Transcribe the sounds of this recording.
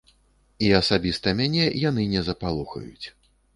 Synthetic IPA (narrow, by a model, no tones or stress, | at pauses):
iɐsabʲist̪ɐmʲanʲɛjan̪ɨnʲɛzɐpalˠuxɐ̰jṵt͡sʲ